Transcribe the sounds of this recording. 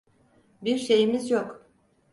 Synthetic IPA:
biɾʃe̞jimizjok

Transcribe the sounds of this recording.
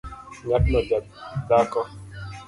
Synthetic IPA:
ɲatnɔba | dakɔ

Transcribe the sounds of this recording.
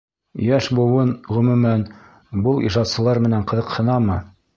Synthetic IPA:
jæʃbŏwɤnʁɵ̆mʉ̆mæn | bɤlˠḭʒɑt̪sɤ̆lˠɑɾmɘ̆næɴqɤ̆ðɤ̆qhɤ̆nɑmɤ

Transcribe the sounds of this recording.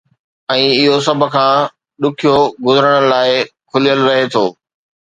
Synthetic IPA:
ɛ̃ːɪɦosɐb̆ʱkʰãː | ɗʊkʰijoɡʊzəɾəɽ̃laːɪkʰʊlijəlɾɐɦet̪ʰoː

